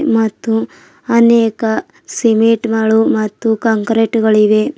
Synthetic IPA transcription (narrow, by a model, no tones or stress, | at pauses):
mɐt̪ːu | ɐneːkɐ | simiʈnɐɭumɐt̪ːukɐŋkɾeʈɡɐɭiʋe